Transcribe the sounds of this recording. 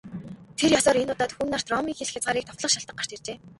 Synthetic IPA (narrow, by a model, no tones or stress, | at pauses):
t̪ʰerjɔsɔːɾenʊːt̪aːt̪xuːnar̥t̪rɔmiːŋxeɮɘ̆xjat͡sʁaːɾiːk̚t̪ʰɔwt̪ɮə̆χʃaɬt̪ə̆ɢar̥t͡ɕert͡ɕeː